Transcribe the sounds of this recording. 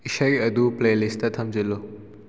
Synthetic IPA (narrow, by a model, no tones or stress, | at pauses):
iʃɐɾiɐd̪upleːlist̪ɐt̪ʰɐmzilo